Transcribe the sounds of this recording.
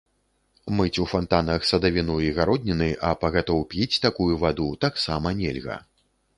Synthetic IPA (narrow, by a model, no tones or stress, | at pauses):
mɨt͡sʲufant̪anɐxsɐd̪avʲinuiɣaɾɔd̪ʲnʲinɨʔɐpɐɣat̪ɔwpʲit͡sʲt̪akujuvad̪ut̪aksamɐnʲɛlʲɣɐ̰